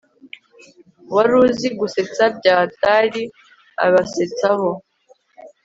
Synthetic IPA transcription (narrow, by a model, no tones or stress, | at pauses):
waɾuːziɡuse̞t͡sab̚ɟaːtaɾi | a̰βaset͡saho